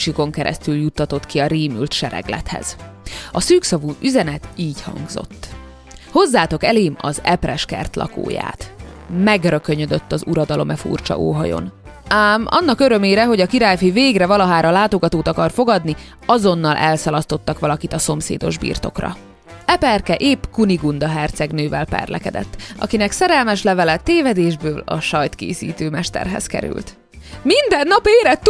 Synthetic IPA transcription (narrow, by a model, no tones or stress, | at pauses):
ʃjuko̞ŋkɛɾʔɛ̰st̪yljut̪ːɒt̪o̞t̪kiɒɾiːmylt̪ʃɛɾɛ̰ɡlɛ̰t̪hɛ̰z̥ɒsyːksɒvuːʔyzɛnɛt̪iːchɒ̰ŋɡzo̰t̪ː | ho̞zːaːt̪o̞kɛleːmɒ̰zɛprɛʃkɛ̰rt̪lɒ̰ko̰ːja̰ːt̪ | mɛɡrø̞køɲød̪øt̪ːɒzuɾɒd̪ɒlo̞mɛfṵrt͡ʃɒ̰ʔo̰ːɦɒ̰jo̞̰n | aːmɒ̰nːɒkøɾømeːɾɛɦo̞ɟɒkiɾaːjfiveːɡrɛvɒlɒɦaːɾɒlaːt̪o̞ɡɒt̪oːt̪ɒkɒrfo̞ɡɒd̪ni | ɒzo̞nːɒlʔɛlsɒlɒst̪o̞t̪ːɒkʋɒlɒkit̪ɒso̞msḛːd̪o̞̰ʒbḭːrt̪o̞̰krɒ̰ | ɛpɛrkɛʔeːpkuniɡund̪ɒɦɛrt̪sɛɡnøːvɛlpɛ̰rlʔɛ̰kɛd̪ɛ̰t̪ːʔɒ̰kinɛksɛɾɛlmɛʃlɛvɛlɛt̪eːvɛd̪eːʒbøːlɒ̰ʃɒjt̪kḛːsḭːt̪øːmɛʃt̪ɛ̰rɦɛ̰skɛ̰ɾy̰lt̪ | mind̪ɛnːɒpeːɾɛt̪ː